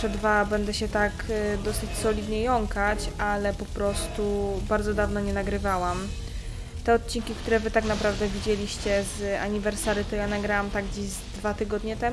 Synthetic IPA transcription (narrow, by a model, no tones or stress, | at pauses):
ʂɛd̪vabɛnd̪ɛɕɛt̪akd̪ɔsɘt͡ɕsɔlʲid̪ɲɛjɔŋkat͡ɕalɛpɔpɾɔst̪ubaɾd̪zɔd̪avnɔɲɛnaɡɾɘvawam | t̪ɛɔt̪̚t͡ɕiŋkʲikt̪uɾɛvɘt̪aknapɾavd̪ɛvʲid͡ʑelʲiɕt͡ɕɛza̰ɲivɛɾsaɾɘt̪ɔjanaɡɾawamt̪aɡɡd͡ʑiʑzd̪vat̪ɘɡɔd̪ɲɛt̪ɛ